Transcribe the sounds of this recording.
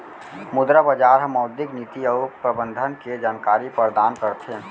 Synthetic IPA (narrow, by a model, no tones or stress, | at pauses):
mʊd̪ɾəbəd͡ʒaːɾɦəmːɔʊd̪ɪknit̪iəpɾəbə̃nd̪ʱənked͡ʒaːnkaːɾipəɾd̪aːnkəɾt̪ʰe